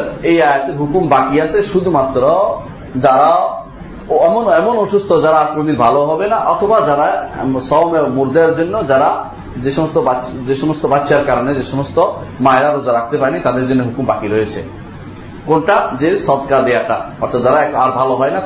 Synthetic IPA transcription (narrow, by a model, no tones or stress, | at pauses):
ejajat̪eɾɦukumbakiasʰeʃud̪ʱumat̪ːɾɔ | d͡ʑaɾao | ɛmɔnɛmɔnoʃust̪ʰɔd͡ʒaɾaaɾpɾod̪iɾbʱaloɦɔbenaʔɔt̪ʰɔbad͡ʒaɾasɔmmuɾd̪aɾd͡ʒonːɔd͡ʒaɾa | d͡ʑeʃɔmɔst̪ɔbad͡ʑeʃɔmɔst̪ɔbatːʃaɾkaɾɔned͡ʑeʃɔmɔst̪ɔ | maɦeɾaɾod͡ʒaɾak̚ʰt̪epaɾenit̪ad̪eɾd͡ʒonːeɦukumbakiɾɔet͡ɕʰḛ | konʈad͡ʑesɔd̪kaɾd̪ejaʈaɔɾt̪ʰat̪d͡ʒaɾaɛkaɾbʱaloɦɔjnat